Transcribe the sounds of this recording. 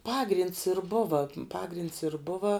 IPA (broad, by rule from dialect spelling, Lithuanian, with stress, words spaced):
ˈpɑːɡrʲiːnts ɪr ˈbʊʋɐ ˈpɑːɡrʲɪnts ɪr ˈbʊʋɐ